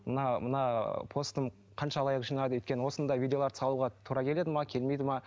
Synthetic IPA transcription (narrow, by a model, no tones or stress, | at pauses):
mənɑmənɑpʰo̞st̪əm | qʰɑnʃɑlˠɑjəqʒijnɑd̪əwɵjt̪kʲeəwo̞sənd̪ɑjvʲid̪ʲeoɑɾə̥sɑlˠuʁɑt̪ʰuɾɑkʲʰele̞d̪ɪmɑkʲʰe̞lme̞jd̪ɪmɑ